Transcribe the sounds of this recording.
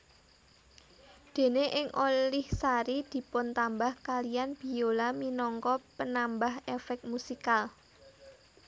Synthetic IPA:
d̪̥e̤neʔɪŋʔolɪhsaɾid̪̥i̤pʊnt̪ambahkalijanb̥i̤jolaminɔŋkɔpənambaɦefɛk̚musikal

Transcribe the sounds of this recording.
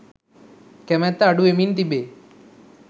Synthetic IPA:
kɛmɛt̪ːaaɖuemint̪ibe

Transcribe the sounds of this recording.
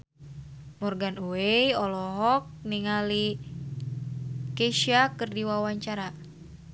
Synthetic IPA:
mɔrɡanuejɔlɔɦɔk̚niŋali | keʃiakɨrdiwawaɲt͡ʃaɾa

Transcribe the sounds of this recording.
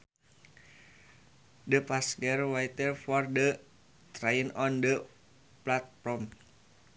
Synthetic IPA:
dəpaskɛrwajt̪ərfɔrdə | t̪ɾajinɔndə | plat̪̚pɾɔm

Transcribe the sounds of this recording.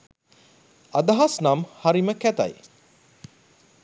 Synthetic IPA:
ad̪aɦasnamhaɾiməkæt̪a̰j

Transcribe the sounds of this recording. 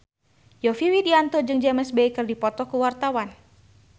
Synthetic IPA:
jɔfiwidiant̪ɔd͡ʒɨŋd͡ʒɛməsbeikɨrdipɔt̪ɔkuwart̪awan

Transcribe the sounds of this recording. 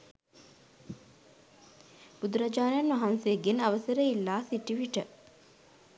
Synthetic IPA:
b̥ud̪uɾad͡ʒaːnjanʋaɦanseːɡenɐʋəsəɾəilːaːsiʈiʋiʈə

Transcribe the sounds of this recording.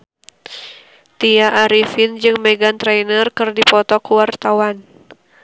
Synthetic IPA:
t̪iaʔːɾifind͡ʒɨŋmɛɡant̪ɾɛnərkɨrdipɔt̪ɔkuwart̪awan

